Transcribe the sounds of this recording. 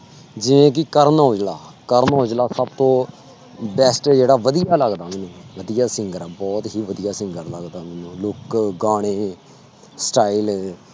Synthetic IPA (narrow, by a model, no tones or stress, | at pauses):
d͡ʒɪʋẽːk̬ɪkəɾnoːd͡ʒlaːkəɾnɦoːd͡ʒlaːsəbt̪õː | bɛːsʈd͡ʒeːɽaːʋəd̪ijaːləɡd̪aːmɛːnũːʋəd̪ɪjaːsɪ̃ŋɡəɾbɔːt̪ɦiːʋəd̪ɪjaːsɪ̃ŋɡəɾləɡd̪aːmɛːnũːlʊkɡaːɽ̃eː | sʈaːiɪl